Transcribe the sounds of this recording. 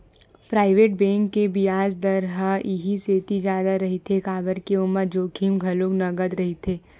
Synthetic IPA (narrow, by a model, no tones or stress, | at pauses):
pɾaːɪʋeːʈ̚bɛ̃ːŋkːebijaːd͡ʒd̪ɐɾɦaɪɦiseːt̪id͡ʒjaːd̪aɾɐɦit̪ʰekaːbəɾkeʊmːəɾd͡ʒoːkʰimɡʱɐloknɐɡəd̪ɾɐɦit̪ʰeː